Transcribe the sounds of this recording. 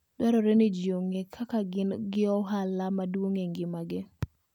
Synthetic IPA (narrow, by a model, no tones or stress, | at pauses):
d̥waɾɔɾenɪd͡ʒjoŋekʰakaɡɪnɡɪɔɦalamadwoŋeŋɡɪmaɡɪ